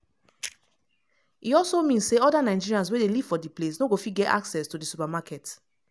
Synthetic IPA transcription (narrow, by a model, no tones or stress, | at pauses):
iɔlsomĩnsseɔdanãɪ̃nd͡ʒiɹiãns̬wedeliv̥fɔdiplesnoɡofitɡɛta̰ksɛstudisupamakɛt